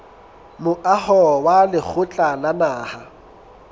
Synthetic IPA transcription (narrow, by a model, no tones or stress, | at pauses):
mʊʔahɔwalɪk͡xʰʊt͡ɬʼalanaːha